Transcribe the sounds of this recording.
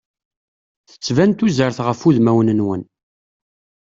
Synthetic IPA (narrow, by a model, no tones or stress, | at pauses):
θə̥t͡sːvænt̪uzəɾθʁəfuðmæwnənwən